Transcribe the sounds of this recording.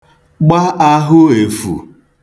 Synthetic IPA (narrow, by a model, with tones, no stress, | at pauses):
ɡ͡ba˦ʔa˦ɦʊ˦e˨fṵ˨